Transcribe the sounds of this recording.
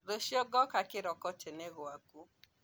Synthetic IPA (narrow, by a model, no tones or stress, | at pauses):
ɾoʃjɔɡɔkakɪɾɔkɔt͡ʃɛnɛɣwaku